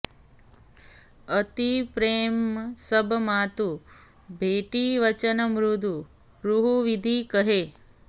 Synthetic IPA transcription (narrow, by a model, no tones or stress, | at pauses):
ət̪ipɾemsəbʱmat̪u | bʱeʈiʋət͡ʃənəmɾud̪ʱu | ɾuɦuʋid̪ʱikəɦe